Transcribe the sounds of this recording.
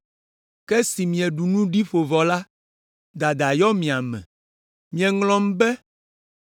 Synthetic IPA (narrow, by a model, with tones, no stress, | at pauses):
kɛ˦si˨mĩ˨ɛ˨ɖu˨nũ˦ɖi˦fo˨vɔ˨la˦ | d̪a˨d̪a˨jɔ˦mĩ˨a˨mɛ̰̃˨ | mĩ˨ɛ˨ŋlɔ̃˦m˦bɛ˦